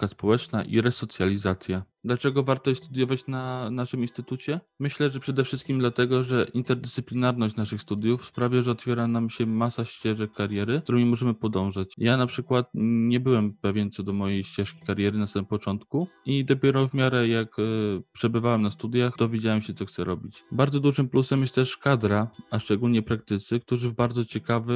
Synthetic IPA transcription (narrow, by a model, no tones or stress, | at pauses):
kaspɔwɛt͡ʂnaʔḭɾɛsɔt̪sʲjalʲizat̪sʲja | d̪lat͡ʂɛɡɔvaɾt̪ɔjɛst̪ud̪ʲjɔvat͡ɕnanaʂɘminst̪ɘt̪ut͡ɕɛ | mɘɕlɛʐɛpʂɛd̪ɛfʂɘst̪̚kʲimd̪lat̪ɛɡɔʐɛʔint̪ɛɾd̪ɛssɘplʲinaɾnɔɕt͡ɕnaʂɘxst̪ud̪ʲjufspɾavʲjaʐɛɔt̪fʲjɛɾanamɕɛmasaɕt͡ɕɛʐɛkːaɾjɛɾɘuɾɔ̃mʲɲimɔʐɛmɘpɔd̪ɔ̃w̃ʐat͡ɕjanapʂɘkwat̪ɲɛbɘwɛmpɛvʲjɛnt̪sɔd̪ɔmɔjejɕt͡ɕɛʂkʲi̥kaɾjɛɾɘnasamɘmpɔt͡ʂɔnt̪kuid̪ɔpʲjɛɾɔvmʲjaɾɛjakpʂɛbɘvawɛmnast̪ud̪ʲjaxd̪ɔvʲjed͡ʑawɛmɕɛt̪sɔxt̪sɛɾɔbʲit͡ɕbaɾd̪zɔd̪uʐɘmplusɛmjɛst̪ɛʂkad̪ɾaaʂt͡ʂɛɡulɲɛpɾak̚t̪ɘt̪sɘk̚t̪uʐɘvbaɾd̪zɔt͡ɕɛkavɘ